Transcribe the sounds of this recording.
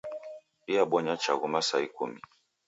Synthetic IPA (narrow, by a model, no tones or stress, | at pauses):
iaɓɔɲat͡ʃaɣumasaikṵmi